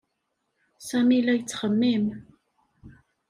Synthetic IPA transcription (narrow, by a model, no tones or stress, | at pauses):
samilajt͡sχəmːim